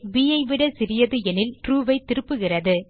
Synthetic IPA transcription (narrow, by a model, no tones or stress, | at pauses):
ʋiːjɐɪʋɪɽɐsɪɾɪjɐðɯɛnɪlʈɾuːʋɐɪt̪ːɪɾɯpːɯɣɪrɐðɯ